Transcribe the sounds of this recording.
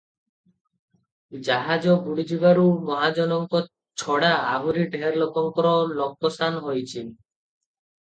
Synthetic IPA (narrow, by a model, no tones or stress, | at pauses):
d͡ʒaɦad͡ʒɔɡuɽid͡ʒibaɾumɔɦad͡ʒɔnɔŋkɔ | t͡ʃʰɔɽaːbuɾiɖʱeɾlɔkɔŋkɔɾɔlɔk̚ːɔsʰanɦojt͡ʃʰi